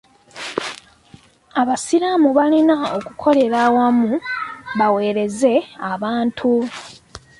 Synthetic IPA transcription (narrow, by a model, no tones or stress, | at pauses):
aβasiɾamuβalinao̞kukʰo̞le̞ɾaːwamuβawe̞ːɾe̞ze̞aβaːntʰu